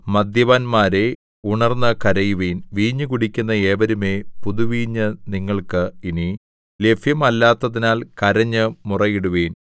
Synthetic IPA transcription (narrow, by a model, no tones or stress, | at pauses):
mɐd̪ʱjɐʋaːnmaːɾe̞ | uɳɐrnːɐkɐɾɐjuʋeːnʋiːɲːɨkuɽikʲːunːɐeːʋɐɾume̞ːpuðuʋiːɲːɨniŋːɐɭkɨini | le̞fʰjɐmɐlːaːt̪ːɐðinaːlkɐɾɐɲːɨmurɐjiɽuʋeːn